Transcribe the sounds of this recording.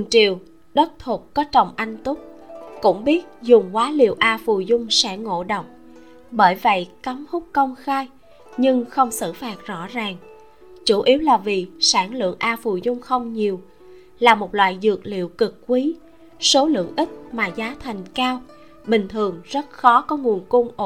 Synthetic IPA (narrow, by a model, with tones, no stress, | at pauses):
ɨ˨˩ŋt͡ɕi˨əw | ɗə˦˥t̚t̪ʰu˨˩p̚kɔ˨˦t͡ɕə˨˩wŋ͡mʔa˧jŋ̟t̪ʊ˦˥k͡p̚kʊ̰˧˥ŋ͡mɓi˦˥ət̚zʊ˨˩ŋ͡mkwaː˨˦lḭ˧˨əwʔaː˧fu˨˩zʊ˧ŋ͡msɛ̰˧˥ŋo̰˧˥ɗə˨wŋ͡m̚ | ɓəː˧˩jvə̰˧˨jka˨˦ŋ͡mhʊ˦˥k͡p̚kə˧wŋ͡mxaː˧j | ɲɨ˧ŋxə˧wŋ͡msɨ̰˧˨faː˨˩t̚zɔ̰˧˥zaː˨˩ŋ | t͡ɕu˧˩ʔi˨˦əwlaː˨˩vi˨˩saː˧˩nlɨ̰˧˨əŋʔaː˧fu˨˩zʊ˧ŋ͡mxə˧wŋ͡mɲi˨˩əw | laː˨˩mo˨˩t̚lwa̰ː˧˨jzɨ̰˨˩ək̚lḭ˧˨əwkɨ˨˩k̚ːkwi˨˦ | so˨˦lɨ̰˧˨əŋʔï˦˥k̚maː˨˩zaː˨˦t̪ʰa˨˩jŋ̟kaː˧w | ɓï˨˩ŋ̟t̪ʰɨ˨˩əŋzə˦˥t̚xɔ˨˦kɔ˨˦ŋu˨˩ənko˧nʔo˧˩